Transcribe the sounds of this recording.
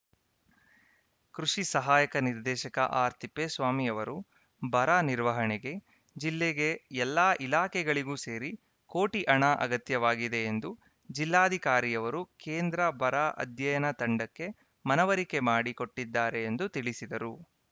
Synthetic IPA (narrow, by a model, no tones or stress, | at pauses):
kɾuʃisɐɦaːjɐkɐniɾd̪ɛːʃɐkɐ̰ʔaːɾt̪ʰipːesʋaːmijɐʋɐɾu | bʱɐɾaːniɾʋɐɦɐɳɛɡe̞ | d͡ʒilːeɡe̞ɛlːaːʔilaːkʰɛɡɐɭiɡuːse̞ːɾi | koːʈiʔɐɳaʔɐ̰ɡɐt̪jɐʋaːɡid̪e̞ːnd̪u | d͡ʒilːaːɐd̪ʱikaːɾijɐʋɐɾukeːnd̪ɾɐbʱɐɾaːʔɐ̰d̪ʱjɐjɐnɐt̪ɐɳɖɐkːe̞ | mɐnɐʋɐɾike̞maːɽiko̞ʈːid̪ːaːɾe̞ːnd̪ut̪iɭisid̪ɐɾu